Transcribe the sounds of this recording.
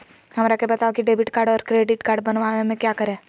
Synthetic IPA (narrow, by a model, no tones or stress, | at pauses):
ɦɐmɾakebɐt̪aokiɖeːbɪʈkaːɾɖɔːɾkɾeːɖɪʈkaːɾɖbɐnʋamẽmẽkjakɐɾẽː